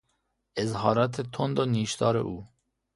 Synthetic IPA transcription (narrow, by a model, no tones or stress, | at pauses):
ɪzɦɒːɾat̪ʰet̪ʰond̪oniːʃd̪ɒːɾḛʔuː